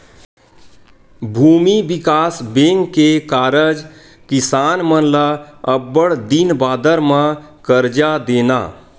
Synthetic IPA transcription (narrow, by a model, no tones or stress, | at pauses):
bʱuːmibɪkaːsbeŋkːekaːɾəd͡ʒ | kɪsaːnmənlaəbːəɽd̪inbaːd̪əɾmã | kəɾd͡ʒad̪eːna̰